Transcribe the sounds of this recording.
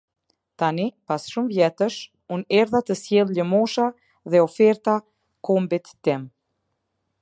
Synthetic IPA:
t̪anipasʃumvjɛt̪əʃ | unɛɾðat̪əsjɛlˠləmɔʃa | ðɛɔfɛɾt̪a | kɔmbit̪ːim

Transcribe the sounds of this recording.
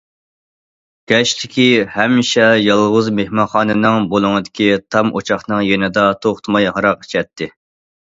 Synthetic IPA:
ɡ̥ʲɛʃlɪkʲihɛmːɪʃɛjɑlˠʁʊzmehmɑnχɑːnɨnɨŋbolˠʊŋɨd̪ɪkʲit̪ʰɑmʔot͡ʃʰɑχnɨŋjenɪd̪ɑt̪ʰoχt̪ʰmɑjʁɑɾɑqi̥t͡ʃɛt̪ʰːɪ

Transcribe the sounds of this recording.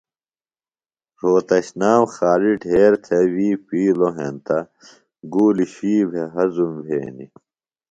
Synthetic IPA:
ɾoːt̪ɐɕnaːmxaːliɖʱeːɾt̪ʰewiːpiːloɦḛnt̪ɐ | ɡuːliɕiːbʱeɦɐzumbʱḛːnḭ

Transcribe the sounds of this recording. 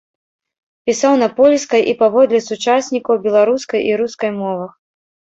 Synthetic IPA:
pʲisawnɐpɔlʲskɐjʔipavɔd̪lʲɛsut͡ʂasʲnʲikɐwbʲɛlˠaɾuskɐjiɾuskɐjmɔvɐx

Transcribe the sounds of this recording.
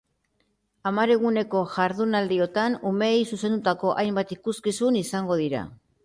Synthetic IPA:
amaɾe̞ɣ̞une̞ko̞ʝaɾðunald̪io̞t̪anume̞jsuse̞nd̪ut̪ako̞ʔajmbat̪ikuskisunisaŋɡo̞ðiɾa̰

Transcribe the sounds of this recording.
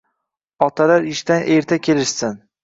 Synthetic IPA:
ɒt̪ʰalaɾɪʃt̪anʔeɾt̪ʰakʲʰelɪʃsɪn

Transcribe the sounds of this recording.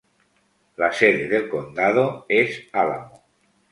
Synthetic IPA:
laseðeðelkond̪að̞oesala̰mo

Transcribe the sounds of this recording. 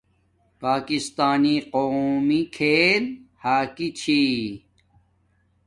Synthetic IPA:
paːkist̪aːniqoːmikʰeːlhaːkit͡ɕʰi

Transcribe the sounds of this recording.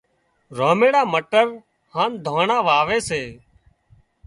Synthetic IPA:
ɾoːmeːɽaːməʈəɾ | haːnd̪ʱoːɳaːʋaːʋeːseː

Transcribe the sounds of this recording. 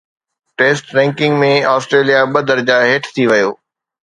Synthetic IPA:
ʈeːsʈɾɛ̃ːŋkɪ̃ŋɡmẽaːsʈɾeːlijaɓɐd̪ʱɐɾəd͡ʑaɦeːʈʰt̪ʰiʋɐjoː

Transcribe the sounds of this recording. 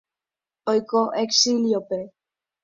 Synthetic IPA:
ojkoʔeksilijope

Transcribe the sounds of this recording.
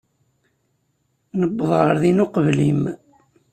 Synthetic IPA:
nəbːəðˤʁəɾðinʊqəvlim

